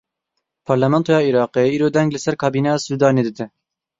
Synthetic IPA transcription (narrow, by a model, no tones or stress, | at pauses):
pʰɑɾlɛmɛnt̪ʰoːjɑːiɾɑːqeiːɾoːd̪ɛŋɡlɨsɛɾkʰɑːbiːnɛjɑːsuːd̪ɑːneːd̪ɨd̪ɛ